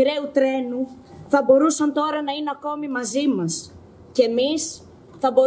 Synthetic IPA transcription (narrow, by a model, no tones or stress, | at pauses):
iɾeut̪ɾe̞nu | θɐbo̞ɾusɐnt̪o̞ɾɐnɐineɐko̞mimɐzimɐs | ceːmis | θɐbo̞